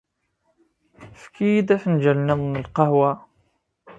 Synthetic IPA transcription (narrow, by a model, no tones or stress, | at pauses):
fkid̪æħnd͡ʒəlnæðˤnəlqɑhwa